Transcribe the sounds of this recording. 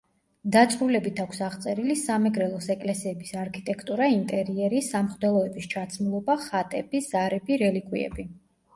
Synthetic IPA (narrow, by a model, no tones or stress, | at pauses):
d̪at̪sʼɾulɛbit̪ʰakʷʰsaʁt̪sʼɛɾilisamɛɡɾɛlˠɔsɛkʼlɛsiɛbisaɾkʰit̪ʼɛkʰt̪ʼuɾaint̪ʼɛɾiɛɾisamχd̪ɛlˠɔɛbist͡ʃʰat̪sʰʼmlˠɔbaχat̪ʼɛbiz̥aɾɛbiɾɛlikʰʼwḭɛ̰bi